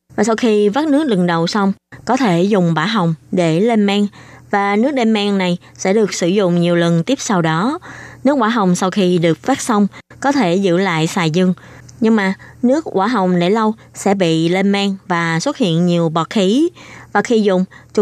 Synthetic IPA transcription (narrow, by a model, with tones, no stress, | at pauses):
vaː˨˩sa˧wxi˧va˦˥t̚nɨ˦˥k̚lɨ˨˩ŋɗə˨˩wsa˧wŋ͡mkɔ˨˦t̪ʰe˧˩zʊ˨˩ŋ͡mɓaː˧˩ɦə˨˩wŋ͡mɗe˧˩le˧nmaː˧ŋvaː˨˩nɨ˦˥ək̚ɗe˧mmaː˧ŋna˨˩j | sɛ̰˧˥ɗɨ˨˩ək̚sɨ˧˩zʊ̰˧˨ŋ͡mɲi˨˩əwlə˨˩nt̪i˦˥əp̚sa˧wɗɔ˨˦nɨ˦˥ək̚ɓaː˧˩ɦə˨˩wŋ͡msa˧wxi˧ɗɨ˨˩ək̚faː˦˥k̚sə˧wŋ͡mkɔ˨˦t̪ʰe˧˩zɨ̰˧˥la̰ː˧˨jsaː˨˩jzɨ˧ŋ | ɲɨ˧ŋmaː˨˩nɨ˦˥ək̚ʔwaː˧˩ɦə˨˩wŋ͡mnḛ˧˩lə˧w | sɛ̰˧˥ɓḭ˧˨le˧maː˧ŋvaː˨˩swə˦˥t̚hḭ˧˨ənɲi˨˩əwɓɔ˨˩t̚xi˨˦vaː˨˩xi˧zʊ̰˨˩ŋ͡mt͡ɕ